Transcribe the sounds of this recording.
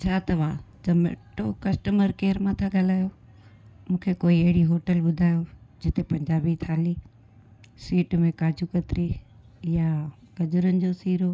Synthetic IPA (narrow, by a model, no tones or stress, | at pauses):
t͡ɕʰaːt̪ɐʋaːd͡ʑɐmḛʈokɐsʈəməɾkeːɾmãt̪ʰaɠɐl̤aːjo | mũːkʰekoːiɐɦɪɽiɦoːʈəlɓʊd̪ʱaːjod͡ʑɪt̪epɐ̃ɲd͡ʑaːbit̪ʰaːliː | siːʈmẽkaːd͡ʑʱukɐt̪ɾi | ja | ɡɐd͡ʑʊɾənɪ̆d͡ʑosiːɾo